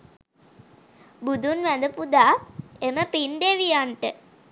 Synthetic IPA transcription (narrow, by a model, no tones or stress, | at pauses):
bud̪unʋæd̪əpud̪aːeməpind̪eʋijaɳʈə